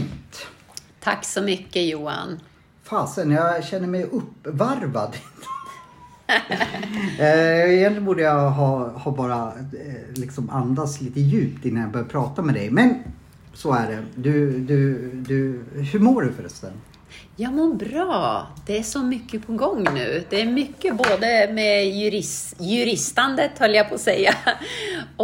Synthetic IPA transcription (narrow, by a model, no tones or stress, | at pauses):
t̪t̪ʰakːsɔmʏkːəjuːa̰n | faːsənjɑɕɛnːəɾmɛjɵpːvaɾvad̪ɪnt̪ʰə | ɛjɛnlɪːnbuːɖəjaɦɑːhɑbɑːɾa | lɪksɔmand̪asliːt̪əjʉ̟ːpt̪ɪnːanjabœɾjaɾpʰɾɑːt̪amɛd̪ɛjmɛn | sɔæɖɛd̪ɵd̪ɵd̪ɵhʉɾmoːɖɵfœɾœ̰st̪ən | jɑmoːɾbɾɑːd̪̥ɛæʂɔmʏkːəpʰɔɡɔŋːnʉ̟ːd̪ɛːɾmʏkːəboːd̪əmɛjʉɾɪsjɵɾɪst̪and̪ət̪hœlːəjapʰɔːsɛjːa | ɔ